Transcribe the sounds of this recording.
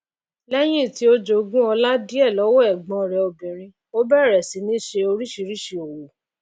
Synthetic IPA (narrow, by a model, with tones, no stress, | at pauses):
lɛ˦j̃ĩ˦˨ti˨˦o˦d͡ʒo˧ɡũ˦ɔ˧la˦di˦ɛ˦˨lɔ˨˦wɔ˦ɛ˦˨ɡ͡bɔ̃˧˨ɾɛ˨o˧bĩ˨ɾ̃ĩ˧ | o˦bɛ˦˨ɾɛ˨si˨˦nĩ˦ʃe˧o˧ɾi˦ʃi˧˦ɾi˦ʃi˨o˨wo˨